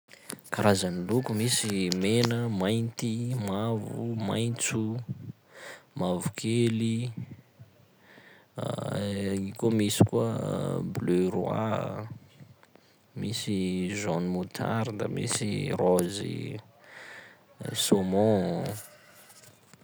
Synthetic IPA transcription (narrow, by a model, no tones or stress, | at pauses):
kaɾazanilukumisimenəmajnt̪imavuma̰jnt͡su | mavukʰeli | ikomisi̥kuəblørua̰ | misizonmut̪ʰa̰ɾid̪a̰mḭsirozḭ | somɔ̃